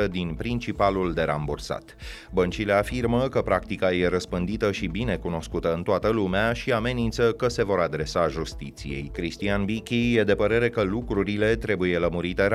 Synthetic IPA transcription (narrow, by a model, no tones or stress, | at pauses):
əd̪inpɾint͡ʃipaluld̪e̞ɾa̰mbursa̰t̪ | bənt͡ʃile̞afirməkəpɾakt̪ikaje̞ɾəspɨnd̪it̪əʃibine̞kuno̞skut̪əɨnt̪oat̪əlumeaʃiame̞nint̪səkəse̞vo̞ɾad̪ɾe̞saʒust̪it̪sḭje̞̰jkɾist̪ianbikʲijed̪e̞pəɾe̞ɾe̞kəlukɾuɾile̞t̪ɾe̞buje̞ləmuɾit̪e̞ɾ